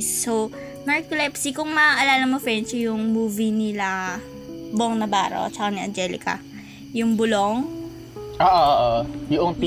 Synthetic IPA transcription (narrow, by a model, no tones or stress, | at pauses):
sːow | nɐɹkolɛpsikʊŋmɐʔɐlaːlɐmofɛnt͡ʃɪjʊŋmuːvinɪla | bʊoŋnɐba̰ːɾo̰t͡ʃɐkaniɐ̰nd͡ʒɛlɪ̰kɐ̰ | jʊŋbʊloŋ | ʔoːʔoʔːʔojʊʔoŋp